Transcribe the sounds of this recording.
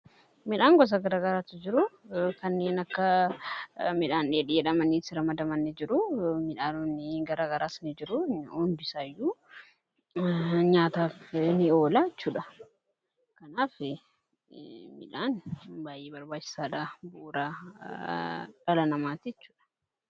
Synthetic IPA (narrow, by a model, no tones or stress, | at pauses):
mɪᶑaːŋɡɔs̬ɐɡɐɾaːɡɐɾaːt̪ɪd͡ʒɪɾʊkɐnːe̞ːnɐkːɐ | mɪᶑaːnᶑɪᶑɪjɛᶑɐmɐnːisɪɾɐmɐd̪ɐmɐnːɛd͡ʒɪɾʊmɪᶑaːnʊnːɪɡɐɾaːɡɐɾaːsnɪd͡ʒɪɾʊʊnd̪ʊɪsaːjːuː | ɲaːt̪aːfnɪoːlaɪt͡ʃːuːᶑɐ | kɐnaːfɪ | mɪ̰ᶑaːnbaːjʔeːbɐɾbaːt͡ʃːɪ̥saːᶑabʊːɾa | ᶑɐlɐnɐmaːt̪iɪt͡ʃːu̥ːᶑɐ̥